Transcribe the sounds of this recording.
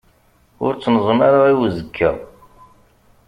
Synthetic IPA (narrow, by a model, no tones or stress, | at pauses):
ʊ̰ɾt͡sːnzˤəmaɾaiwzəkʰːə̰